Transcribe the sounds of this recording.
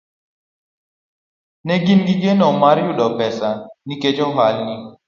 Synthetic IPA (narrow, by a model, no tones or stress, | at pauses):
nɛɡinɡiɡenɔmaɾjuɗɔpɛsaniked͡ʒɔɦalni